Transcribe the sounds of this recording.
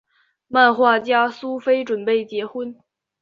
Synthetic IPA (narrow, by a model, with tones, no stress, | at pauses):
ma˥˧nxwa˥˩t͡ɕja˥su˥fe˥ɪʈ͡ʂwə˨˩npe˥˩ɪt͡ɕjɛ˧˥xwə˥n